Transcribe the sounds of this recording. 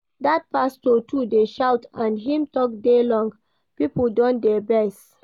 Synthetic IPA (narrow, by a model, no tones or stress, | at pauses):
dat̚pastotʰudeʃawtãndɦĩmtɔk̚delɔ̃ŋɡ | pipəldɔ̃ndɛbɛst